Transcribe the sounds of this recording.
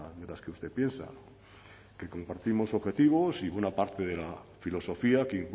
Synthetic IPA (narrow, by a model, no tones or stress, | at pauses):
ðelaskeust̪epje̞nsa̰no | ke̞ko̞mpaɾt̪imo̞so̞βxe̞t̪iβ̞o̞siβwe̞napaɾt̪e̞ð̞e̞lafilo̞so̞fiakeiŋk